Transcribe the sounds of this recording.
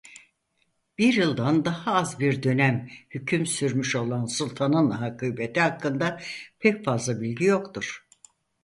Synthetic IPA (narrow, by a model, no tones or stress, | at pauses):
b̥iɾjɯlˠd̪and̪ahaazbiɾd̪ø̞næmhycʰymsyɾmyʃo̞lˠansulˠt̪ʰanɯnɦakʰɯjbet̪ʰiɦakːɯnd̪apʰɛcfazlˠabilʲɟijo̞kt̪uɾ̥